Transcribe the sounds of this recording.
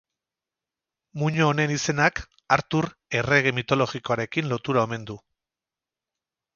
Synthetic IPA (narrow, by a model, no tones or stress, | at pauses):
muɲoːne̞nise̞nak | aɾt̪uɾe̞re̞ɣe̞mit̪o̞lo̞ɣiko̞aɾe̞kinlo̞t̪uɾao̞me̞nd̪u